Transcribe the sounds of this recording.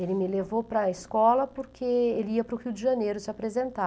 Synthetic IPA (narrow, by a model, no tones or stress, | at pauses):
elɪmɪlevowpɾɐeskɔlɐpoɾkʰeelɪiɐpɾʊhiuwd̪ɪʒanejɾʊsɪapɾezẽnt̪a